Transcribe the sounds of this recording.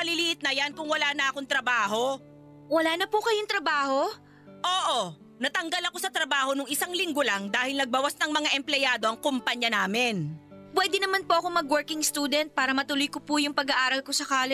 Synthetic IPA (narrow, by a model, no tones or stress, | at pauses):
mɐliliʔɪt̪̚nɐjankʊŋwɐlaːnɐʔɐkoŋt̪ɾɐbaːɦo̞ | wɐlaːnɐpʊkɐjoŋt̪ɾɐbaːho̞ | ʔoːʔo | nɐt̪ɐŋɡɐlɐko̞sɐt̪ɾɐbaːho̞nʊŋɪsaŋlɪŋɡolɐŋd̪aːhɪlnɐɡ̚bawasnɐŋmɐŋaʔɛmplɛjaːd̪o̞ʔɐŋkompaɲjɐnaːmɪnpwɛːd̪ɛnɐmanpoʔɐkomɐɡwɛɹkɪŋst̪uːd̪ɛnt̪̚paːɾɐmɐt̪ʊlʊjkopʊjʊŋpɐɡɐʔaːɾɐlkosɐkaːlɪ